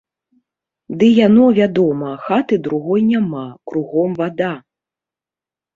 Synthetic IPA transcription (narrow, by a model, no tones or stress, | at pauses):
d̪ɨjanɔvʲad̪ɔmɐxat̪ɨd̪ɾuɣɔjnʲamakɾuɣɔmvad̪a